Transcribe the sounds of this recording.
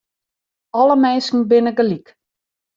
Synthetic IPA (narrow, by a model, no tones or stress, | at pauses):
ɔləmɛnskn̩bɪnəɡəlik